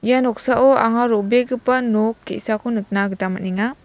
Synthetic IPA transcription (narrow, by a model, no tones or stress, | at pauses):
janɔk̚saʔɔaŋaɾobeɡɯpanokːesakʰunut̚naɡɯtamaniŋa